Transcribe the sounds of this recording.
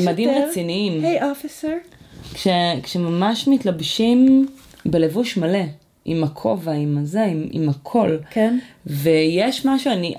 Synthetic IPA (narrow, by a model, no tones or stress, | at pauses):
madimʁet͡siniimhejofiseɾkʃekʃemamaʃmitlabʃim | bele̞vuʃmale̞ | ʔḭmakʰovaimazeimḭmakʰo̞lknvejeʃmaʃuani